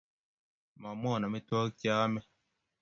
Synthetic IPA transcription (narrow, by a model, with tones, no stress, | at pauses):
ma˨mɔ˦˨na˨mi˦twɔ˦kjaː˦mɛ˦